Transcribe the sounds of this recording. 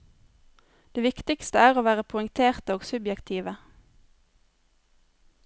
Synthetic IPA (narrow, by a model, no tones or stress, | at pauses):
d̪̥eːʋɪkt̪ɪkst̪əæːʁoːʋæːʁəpʰʊʏŋt̪ʰeːʁt̪əoːɡsʉbjɛkt̪ʰiːʋə